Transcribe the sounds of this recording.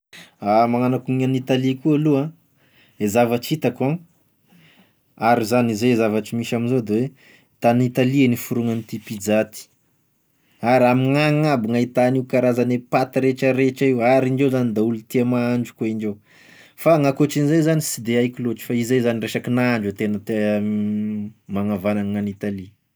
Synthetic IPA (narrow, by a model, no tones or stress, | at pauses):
amaŋanakuŋianit̪alikualuã | ezavaʈ͡ʂit̪akã | aɾizanizeezavaʈ͡ʂimiʃaminzod̪ewe | t̪anit̪alienifuɾuŋanit̪ipid͡zat̪i̥ | aɾamiŋaŋabiŋait̪aniukaɾazanepat̪iɾet͡ʃəɾeʈ͡ʂaiwaɾiɳɖ͡ʐezanid̪aulut̪iamaaɳd͡ʒu̥koiɳɖ͡ʐew | faŋakoʈ͡ʂinizejzanisid̪eajkʲiloʈ͡ʂi̥faizezanireʃakinaɳɖ͡ʐut̪enət̪e | maŋavananŋanit̪ali